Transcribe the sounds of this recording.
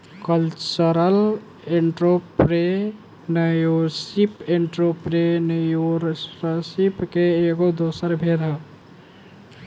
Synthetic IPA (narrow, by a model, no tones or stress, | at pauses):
kəlt͡ʃəɾəl | eɳʈɾopɾe | nəjoɾsipeɳʈɾopɾenəjoɾsəsipkeeɡod̪osəɾbʱeɾɦə